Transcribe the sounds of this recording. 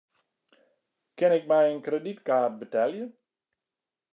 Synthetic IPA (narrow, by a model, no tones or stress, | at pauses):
kɪnɪk̚mɛjənkreditkaːrt̚bətɛlˠjə